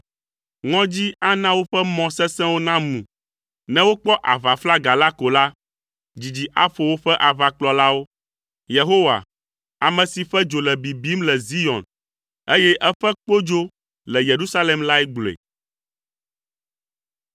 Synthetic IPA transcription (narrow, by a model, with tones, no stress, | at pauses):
ŋɔ̃˦d͡ʑi˦a˦nã˦wo˦ɸɛ˦mɔ̃˨sɛ˦sɛ̃˦wo˦nã˦mũ˨ | nɛ̃˦wo˦k͡pɔ˦ʔa˨va˨fla˦ɡa˨la˦ko˨la˦ | d͡ʑi˨d͡ʑi˨ʔa˦fo˨wo˦ɸɛ˦ʔa˨va˨k͡plɔ˨la˦wo˦ | je˨ɦo˦wa̰˨ | a˨mɛ̃˨si˨ɸɛ˦d͡ʒo˨lɛ˨bi˨bi˦mlɛ˨zi˦jɔ̃˨n | e˦jɛ˦ʔɛ˦ɸɛ˦k͡po˦d͡ʒo˦ | lɛ˨je˨ɾu˦sa˦lɛ˨mla˦ɛ˦ɡ͡blḛ˨